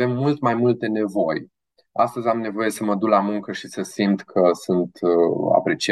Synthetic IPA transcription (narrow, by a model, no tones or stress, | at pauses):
e̞mːult̪majmult̪e̞ne̞vo̞j | a̰st̪əzʲamne̞vo̞je̞səməd̪ulamuŋkəʃisəsimt̪kʰəsunt̪a̰pɾe̞t͡ʃi